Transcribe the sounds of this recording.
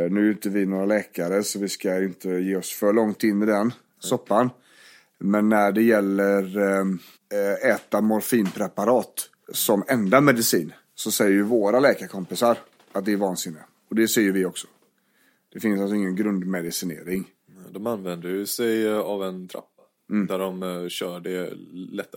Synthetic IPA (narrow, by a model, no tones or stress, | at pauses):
nʉ̟ːʉːnt̪əvɪnoːɾalɛːkaɾəsɔvɪskajɪnt̪ʰəjeːɔsfœɭɔŋt̪ɪnːɪd̪ɛn | sɔpːan | mɛnːæɖɛjɛlːəɾ | ɛːt̪amɔɾfiːnpʰɾɛpaɾɑːt̪ | sɔmɛnd̪amɛd̪ɪsiːn | sɔsɛjːəɾjɵvoːɾalɛːkaɾkʰɔmpɪsaɾ | at̪̚d̪ɛːɾvɑːnsɪnːɪ | ɔd̪ɛsɛːjɵvɪɔksɔ̥ | d̪̥ɛfɪnsals̬ɔɪŋːənɡɾɵnd̪mɛd̪ɪsɪnḛːɾɪŋ | nɛd̪ɔmanvɛnd̪əjɵsɛjavɛnt̪ʰɾa̰pːḁ | d̪æɖɔmɕœːɖɛlɛt̪ː